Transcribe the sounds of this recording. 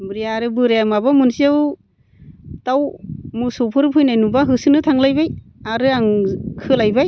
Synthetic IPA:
mɾijaɾɯbɯɾamabamunsiaw | tawmusɔpʰɯɾpʰɯjnajnubaɦɯsɯnɯtʰaŋlajbaj | aɾɯaŋkʰɯlajbaj

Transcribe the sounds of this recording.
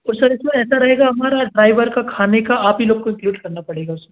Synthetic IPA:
ɔːɾsɐɾɪsmẽɛːsaɾɐɦeːɡaɦɐmaːɾaɖɾaːɪʋəɾkakʰaːnekaaːpɦiloːɡ̚koɪ̃ŋkluːɖkɐɾnapɐɽ̤eːɡaʊsɐɾ

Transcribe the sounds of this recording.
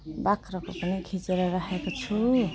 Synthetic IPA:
bakʰɾʌkopʌnikʰit͡seɾʌɾaɦʰekot͡sʰu

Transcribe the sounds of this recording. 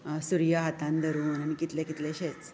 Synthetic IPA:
suɾjaɦat̪ãnd̪ʱəɾuːnaɽ̃ikit̪lekit̪leɕet͡s

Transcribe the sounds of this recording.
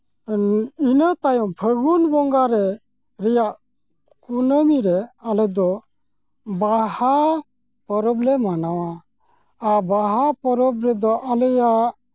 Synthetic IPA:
ninət̪ajɔŋpʰəɡunbɔŋɡaɾɛ | ɾɛjaʔ | kunəmiɾɛalɛd̪ɔ | baha | pɔɾɔblɛmanawaː | baɦapɔɾɔb̚ɾɛd̪ɔʔaləjaʔ

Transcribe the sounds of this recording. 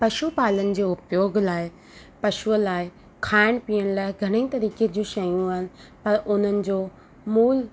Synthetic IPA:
pɐʃupaːlənɪ̆d͡ʑeːʊpjoːɡʱlaːe | pɐʃuəlaːɪ | kʰaːɪɽ̃piːəɽ̃laːɪɡʱɐɽ̃ə̃ĩt̪ɐɾiːked͡ʑũʃɐjũaːɦɪnɪ̆pɐɾʊn̤ənɪ̆d͡ʑoː | muːl

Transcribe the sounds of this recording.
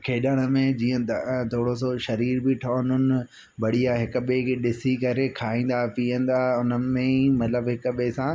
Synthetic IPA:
kʰeːɗəɽ̃əmẽd͡ʑiːə̃t̪ʰoːɽos̬oʃɐɾiːɾbɪʈʰoʊnənɪ̆ | bɐɽ̤iaːɦɪkɓekeɗɪsikɐɾekʰaːĩːn̆d̪aɦpiːə̃n̆d̪aːɦʊnəɪ̆mẽimɐt̪ləbɦɪkɓeːsã

